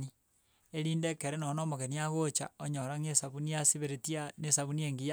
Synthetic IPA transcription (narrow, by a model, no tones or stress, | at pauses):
ni | eɾiːndekeɾenonomoɣeniaɣot͡ʃa̰oɲoɾaŋesaβuniasiβeɾetianesaβunieŋɡija